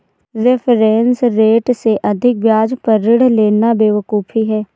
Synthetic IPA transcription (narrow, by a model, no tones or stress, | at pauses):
ɾɪpʰɾɛ̃ːnsɾeːʈseʔəd̪ʱɪk̚bjaːd͡ʒpəɾɪɽleːnabeːʋəkuːpʰiɦɛː